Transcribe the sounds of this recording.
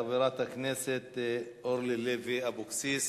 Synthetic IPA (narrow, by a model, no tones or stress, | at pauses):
biɾat̪hakneset̪ʔoɾleleviabuksis